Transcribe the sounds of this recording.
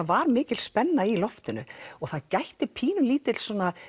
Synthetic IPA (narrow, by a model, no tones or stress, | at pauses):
avaɾmɪːcɪtlspɛnːailɔft̪ɪnʏɔɣθaðcajht̪ɪpʰiːnʏliːt̪ɪl̥sɔːna